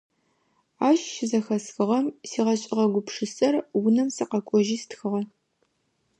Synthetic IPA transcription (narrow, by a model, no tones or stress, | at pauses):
aːɕʃɪzɐxɐsxɨʁɐmsiːʁɐɕʼɪʁɐɡʷʊpʂɨsɐrwʊnɐmsɨqɐkʷʼɔʒiːstxɨʁɐ